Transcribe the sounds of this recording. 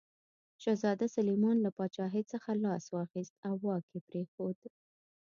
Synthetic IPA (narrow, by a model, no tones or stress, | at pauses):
ʃazɑd̪asalimɑnlapɑt͡ʃɑɦɪsəxalɑswɑxist̪awːɑkepɾexod̪